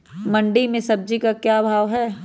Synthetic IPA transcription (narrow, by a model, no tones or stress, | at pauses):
mɐ̃ɳɖimẽsɐb̚d͡ʒikakjaːbʱaːʋɦɛː